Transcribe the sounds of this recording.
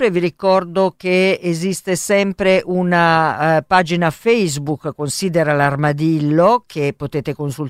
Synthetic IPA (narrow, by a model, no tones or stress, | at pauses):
pɾeviɾikɔrd̪okeːzist̪esɛmpɾeʔunapaːd͡ʒinafɛjzbukːonsiːd̪eɾalarmad̪ilːokʰepːot̪eːt̪ekonsul